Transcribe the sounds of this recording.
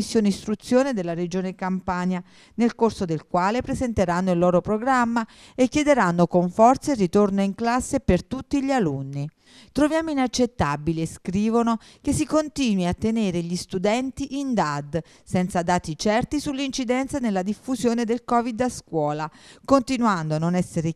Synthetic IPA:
isːjoːneist̪ɾut̪sːjoːned̪elːaɾed͡ʒoːnekampaːɲja | nelkorsod̪elkwaːlepɾezent̪eɾanːoilːoːɾopɾoɡɾamːa | ekːjed̪eɾanːokoɱfɔrt̪sarːit̪ornoiŋklasːepert̪ut̪ːiʎalunːi | t̪ɾovjaːmoinat͡ʃːet̪ːabileskɾiːvonokesːikont̪iːnwiat̪ːeneːɾeʎist̪ud̪ɛnt̪iʔind̪ad̪ | sɛnt̪sad̪aːt̪it͡ʃɛrt̪isulːint͡ʃid̪ɛnt̪sanelːad̪ifːuzjoːned̪elkɔːvid̪askwɔːlakont̪inwand̪oanːonɛsːeɾe

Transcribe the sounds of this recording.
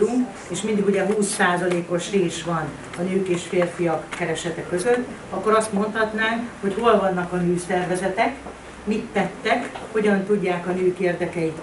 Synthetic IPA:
uŋk | eːʃmind̪iɡuɟɛɦuːsːaːzɒleːko̞ʃreːʃʋɒn | ɒnøːkeːʃfeːrfijɒkːɛɾɛʃɛt̪ɛkø̞zøt̪ː | ɒkːo̞ɾɒst̪mo̞nt̪hɒt̪naːŋkho̞cholvɒnːɒkɒnøːsɛrvɛzɛt̪ɛk | mit̪ːɛt̪ːɛkho̞ɟɒnt̪uɟːaːkɒnøːkeːrd̪ɛkɛit̪

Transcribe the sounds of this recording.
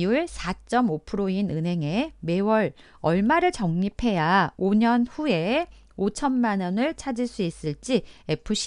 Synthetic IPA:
uɭsʰat͡ɕ͈ʌmopʰɯɾoinɯnɦe̞ŋe̞me̞wʌɾ | ʌɭmaɾɯɭt͡ɕʌŋɲipʰe̞jaoɲʌnɸue̞ | ot͡ɕʰʌnmanʌnɯɭt͡ɕʰad͡ʑiɭs͈uis͈ɯɭt͡ɕ͈ie̞pʰɯɕ

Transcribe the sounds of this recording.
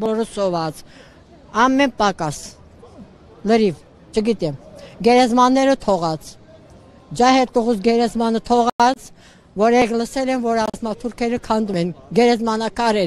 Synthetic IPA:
bɔɾəsɔvɑt͡sʰ | ɑmːɛnpɑkɑs | ləɾiv | t͡ʃʰəɡit̪ɛmɡɛɾɛzmɑnːɛɾət̪ʰɔʁɑt͡sʰ | d͡ʒɑhɛɾt̪əʁusɡɛɾɛzmɑnət̪ʰɔʁɑt͡sʰ | vɔɾɛʁləsɛlɛnvɔɾɑzmɑt̪ʰuɾkʰɛɾəkʰɑnd̪umɛnɡɛɾɛzmɑnɑkɑɾɛɾ

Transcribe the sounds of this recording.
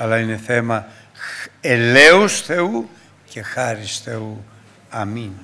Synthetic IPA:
ɐlɐine̞θe̞mɐ | ele̞usθe̞u | ce̞xɐɾisθe̞u | ɐmin

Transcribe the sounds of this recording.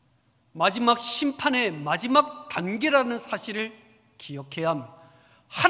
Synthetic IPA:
mad͡ʑimak̚ɕʰimpʰane̞mad͡ʑimak̚t̪anɡeɾanɯnsʰaɕʰiɾɯɭ | kijʌkʰe̞jaɦmjʌ | ha

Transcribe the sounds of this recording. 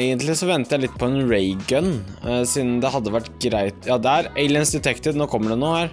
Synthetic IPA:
æɪɡənt̪lɪsɔʋɛnt̪əjæɪlɪt̪ːpʰɔɛnɹeɪɡənsiːd̪n̩d̪ɛhɑd̪ːəʋæʈːɡɾæɪt̪jɑːd̪ɛæɾeɪlɪənsd̪ɛt̪ʰɛkt̪ɪʋnoɾkʰɔmːəɖɛnoːhæːɾ

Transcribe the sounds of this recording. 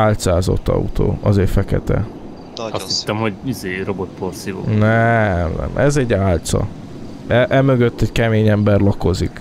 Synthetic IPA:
aːlt̪saːzo̰t̪ːɒ̰ṵt̪o̰ːɒzeːfɛkɛ̰t̪ɛ̰ | ɒst̪hit̪ːɛmho̞ɟizeːɾobot̪̚porsivo̰nɛmnɛ̰mʔɛzɛɟːaːlt̪sɒ̰ | ɛʔɛmøɡøt̪ːɛckɛmeːɲɛmbɛrlɒko̞zik

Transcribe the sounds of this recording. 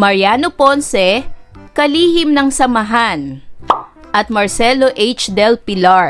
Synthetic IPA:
mɐɹjanoponsɛkɐliːhɪmnɐŋsɐmɐɦan | ʔɐt̪̚mɐɹsɛloʔejt͡ʃd̪ɛlpɪlaɹ

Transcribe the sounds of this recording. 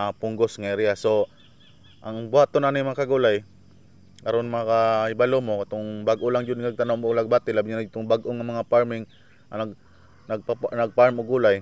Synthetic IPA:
apʊŋɡosŋaɾɪjaso | ʔaŋbwat̪onanɪjmɐŋakɐɡulaj | kɐɾonmaakaɪbalomokat̪oŋbaɡʔolaŋd͡ʒʊd̪ŋaɡ̚t̪anoŋmoklaɡ̚bat̪ɪlabɪɲanad͡ʒt̪ʊŋbaɡʔoŋamɐŋapaɹmɪŋ | anaɡ | naɡ̚anɐɡ̚paɾmoɡulaj

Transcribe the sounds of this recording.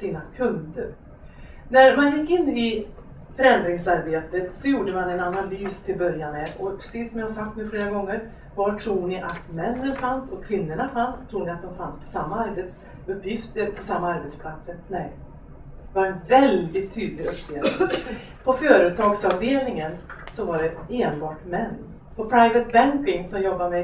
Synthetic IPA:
siːnakʰɵnd̪əɾ | næɾmanjɪkːɪnːɪ | fœɾɛnd̪ɾɪŋsaɾbeːt̪ət̪sɔjuːɖəmanɛnanalyːst̪ʰɪlbœɾjanɛʔɔpʰɾɛ̥siːsɔmjahasak̚t̪nʉfleːɾaɡɔŋːəɾ | vaʈʰɾuːɳɪʔat̪mɛnːənfansɔkʰvɪnːəɳafanst̪ʰɾuːɳɪat̪̚d̪ɔmfanspʰɔ̥samːaaɾbet̪s | ɵpːjɪft̪əɾpʰɔsamːaaɾbɛt̪spʰlat̪səɾnɛɪ | d̪ɛvaɾɛnvɛld̪ɪt̪ʰːyːd̪lɪɡɵpːjɪvɪ | pʰɔfœːɾɵt̪ʰɑːɡsavd̪eːɾɪŋənsɔvaɖɛeːnbɑːʈmɛnː | pʰɔpʰɾaɪvət̪̚bæŋkɪŋsɔmjɔbːamɛ

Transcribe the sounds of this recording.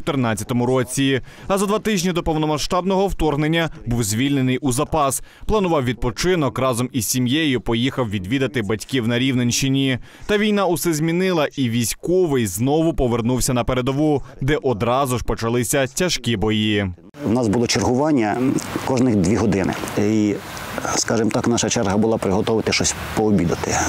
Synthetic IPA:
t̪ɪrnɑtʲːɐt̪ɔmʊɾɔt͡sʲi | ɐzɐd̪ʋɑt̪ɪʒʲnʲid̪ɔpɔwnɔmɐʃt̪ɑbnɔɦɔwt̪ɔrɦnenʲːɐbuwzʲʋʲilʲne̞nɪjʔuzɐpɑs | plˠɐnʊʋɑwʋʲid̪̚pɔt͡ʃɪnɔkrɑzɔmizʲsʲimjejʊpɔjixɐwʋʲid̪ʋʲid̪ɐt̪ɪbɐtʲkʲiwnɐɾʲiwnenʲʃɪnʲi | t̪ɐʋʲijn̪ɑʊsɛzʲmʲinɪlˠɐʔiʋʲisʲkɔʋɪjznɔʋʊpɔʋe̞rnuwsʲɐnɐpe̞ɾed̪ɔʋud̪ɛʔɔd̪ɾɑzʊʒpɔt͡ʃɐlˠɪsʲɐtʲɐʃkʲibɔji | wnɑsbʊlˠɔt͡ʃerɦʊʋɑnʲːɐkɔʒnɪxd̪ʲʋʲiɦɔd̪ɪnɪ̰i | skɑʒɪmt̪ɑknɑʃɐt͡ʃɛrɦɐbʊlˠɑpɾɪɦɔt̪ɔʋɪt̪ɪʃt͡ʃɔsʲ | pɔɔbʲid̪ɐt̪ɪ

